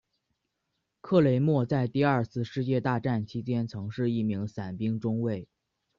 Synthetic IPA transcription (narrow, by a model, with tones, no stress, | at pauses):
kʰɤ˥˩le˧˥ɪmwɔ˥˧t͡sa˥˧ɪt̪i˥˧ɐ˞˥˩˧t͡sʰɹ̩˥˧ʂɻ̩˥˧t͡ɕjɛ˥˧t̪a˥˧ʈ͡ʂa˥˩nt͡ɕʰi˥t͡ɕjɛ˥nt͡sʰɤ˧˥ŋʂɻ̩˥˧i˥˩mi˧˥ŋsa˨˩npi˥ŋʈ͡ʂʊ˥ŋwe˥˩ɪ